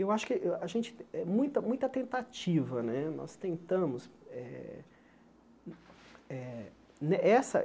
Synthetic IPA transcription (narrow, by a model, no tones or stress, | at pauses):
ewaʃʊ̥kɪʔaʒẽnt͡ʃɪ̥ɛmũj̃t̪ɐmũj̃t̪ɐt̪ẽnt̪at͡ʃivɐnɛnɔ̰st̪ẽnt̪ɐ̃mʊsɛ̰ | ɛ | nɛʔɛsɐ̰